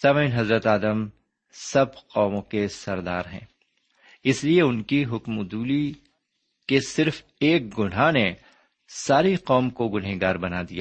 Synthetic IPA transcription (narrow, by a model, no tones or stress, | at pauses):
samənɦɐzɾət̪aːd̪əm | sɐbqɔːmõkesɐɾd̪a̰ːɾɦɛ̰̃ː | ɪslieʊnkiɦʊkmʊd̪uːli | kesɪɾf | eːk̚ɡʊnɦane | saːɾiqɔːmkoɡʊnɦeɡaːɾbɐnad̪ija̰ː